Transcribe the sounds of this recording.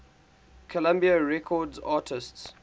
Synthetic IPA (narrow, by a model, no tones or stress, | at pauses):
kʰəlãmbiaɹɛkʰɔdzaːtʰɪsts